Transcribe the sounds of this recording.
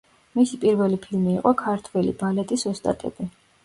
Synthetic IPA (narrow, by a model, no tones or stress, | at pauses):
misipʼiɾvɛlipʰilmiːqʼɔkʰaɾt̪ʰwɛlḭbalɛt̪ʼisɔst̪ʼa̰t̪ʼɛ̰b̥i